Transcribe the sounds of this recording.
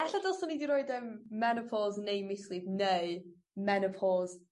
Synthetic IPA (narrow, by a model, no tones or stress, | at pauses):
ɛɬadɔlˠsɔniːdiɾɔɨdəmːɛnəpʰɔznejmɪslɪvneɨ | mɛnəpʰɔz